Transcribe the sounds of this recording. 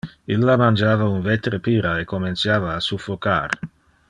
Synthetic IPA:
ilːamand͡ʒaːvaunvet̪ɾepiːɾaekːoment̪sjaːvaːsufːoka̰ːɾ

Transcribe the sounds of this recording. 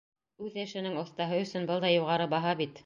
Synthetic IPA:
ʉðɘ̆ʃɘ̆nɘŋŏθt̪ɑɦɤɵ̆sɵnbɤlˠd̪ɑjuʁɑɾɤbɑɦɑβit̪

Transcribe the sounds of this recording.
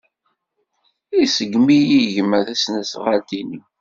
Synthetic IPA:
isəɡmijiʝəməθæsnæsʁalt̪ini

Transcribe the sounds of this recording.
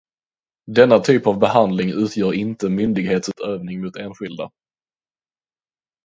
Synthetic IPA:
d̪ɛnːat̪ʰyːpavbɛhand̪lɪŋʔʉ̟ːt̪ʰjœːɾɪnt̪əmʏnd̪ɪɡheːt̪sʉːt̪øːvnɪŋmuːt̪eːnɧɪld̪a̰

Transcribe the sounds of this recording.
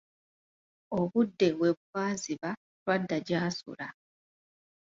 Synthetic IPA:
oβudːe̞we̞βuβaːziβa | lwadːaɟaːsṵla

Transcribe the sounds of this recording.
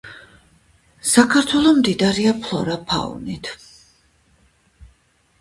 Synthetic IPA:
sakʰaɾt̪ʰwɛlˠɔmd̪id̪aɾiapʰlˠɔ̰ɾapʰa̰ṵnit̪ʰ

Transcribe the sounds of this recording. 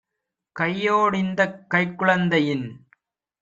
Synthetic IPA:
kɐjːoːɽɪnd̪ɐkːɐɪkːʊɭɐnd̪ɐjɪn

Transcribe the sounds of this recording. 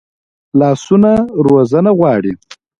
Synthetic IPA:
lɑːsunaɾozanaɣwɑːɽi

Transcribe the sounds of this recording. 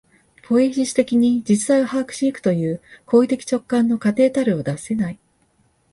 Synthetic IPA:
pʰo̞iʑiɕi̥t̪e̞kʲiɲ̟id͡ʑit͡sɨ̥saiahaːkɯ̟̥ɕiikɯ̟̥t̪o̞jɯ̟ːko̞ːit̪e̞kʲi̥t͡ɕo̞kːãnːo̞kat̪e̞ːt̪aɾɯ̟o̞d̪ase̞nai

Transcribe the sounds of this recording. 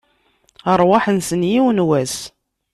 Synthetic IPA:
əɾˤwɑħənsənjiwənwæs

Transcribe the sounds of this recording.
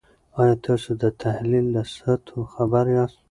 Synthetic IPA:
ɑjɑt̪ʰɑsod̪ət̪ʰahlilːasat̪ʰoxabaɾjɑs

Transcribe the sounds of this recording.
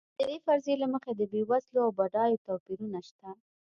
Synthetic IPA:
d̪̥əd̪efaɾzelaməxed̪əbewasloawbaɖɑjot̪ɑpiɾunaʃt̪a

